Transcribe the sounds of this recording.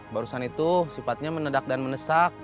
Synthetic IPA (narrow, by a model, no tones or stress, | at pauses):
baɾusanit̪usifat̪̚ɲamənədak̚danmənəsak̚